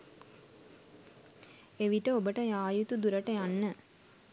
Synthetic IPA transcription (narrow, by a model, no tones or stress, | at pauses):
eʋiʈəobəʈəjaːjut̪ud̪uɾəʈəjanːə